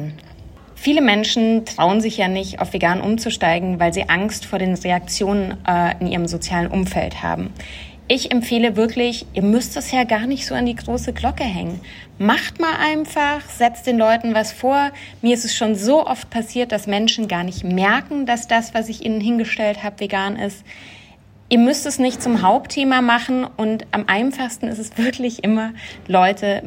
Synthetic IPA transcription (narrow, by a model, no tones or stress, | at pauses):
fiːləmɛnʃn̩tʁ̥aʊənzɪçjaːnɪçta̰ʊfv̥eɡaːnʔʊ̰mt͡suʃtaɪɡŋ̩vaɪlzḭːʔaŋstfoːɐɾeːnʁeak̚t͡sjoːnənʔɪnʔḭːʁəmzot͡sjaːlənʔʊ̰mfɛ̰ltha̰ːbm̩ | ʔɪçɛmfeːləvɪɐklɪçʔiːɐmʏst̚d̥ɪshjeːɐɡaːɐnɪçtz̥o̰ːandiːɡʁoːsəɡlɔkəɦɛ̰ŋən | maχtmaːlʔaɪnfaχz̥ɛt͡st̚d̥eːnlɔʏtn̩vasfoːɐ | miːɐɪstɛsʃoːnzoːʔɔft̚pʰasiːɐt̚d̥asmɛnʃn̩ɡaːɐnɪçtmɛɐkŋ̩d̥asd̥asv̥asɪçʔḭːnənɦɪnɡəʃtɛlthaːbəveɡaːnʔɪ̰st | ʔiːɐmʏstɛsnɪçtt͡sʊmɦaʊptʰːeːmamaχn̩ʊntʔamʔaɪnfaχstn̩ɪ̰stɛsv̥ɪɐklɪçʔɪmɐlɔʏtʰə